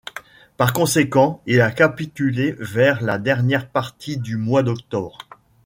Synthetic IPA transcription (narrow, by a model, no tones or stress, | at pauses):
paʁkɔ̃sekɑ̃ilakapit̪ylevɛʁlad̪ɛʁnjɛʁpaʁt̪ʰid̪ymwad̪ɔkt̪ɔbʁ